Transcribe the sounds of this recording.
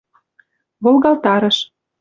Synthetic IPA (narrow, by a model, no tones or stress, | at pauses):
βolˠɣɑlt̪ɑɾɤ̆ʃ